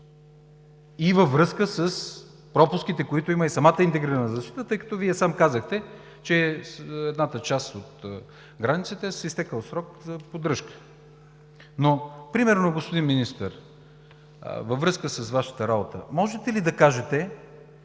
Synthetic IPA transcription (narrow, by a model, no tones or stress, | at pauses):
ivəvːɾɤskəsəs | pɾɔpʊsk̟it̪ɛkoit̪ʊiməisɐmat̪əint̪ɛɡɾɛnəzɐsʃt̪i̥t̪ət̪ɤjkɐ̥t̪ɔviɛsamkazəxt̪ɛ | t͡ʃɛɛd̪nat̪ət͡ʃasot̪ | ɡɾanit̪sət̪ɛsist̪ɛkəlˠsɾɔkzɐpod̪ɾɤʃkə̥ | nopɾimɛɾnoɡospod̪inminist̪əɾ | vɐvːɾɤskəsəsvaʃə̥t̪əɾabot̪ə̰mɔʒɛt̪ɛlid̪ɐkaʒɛt̪ɛ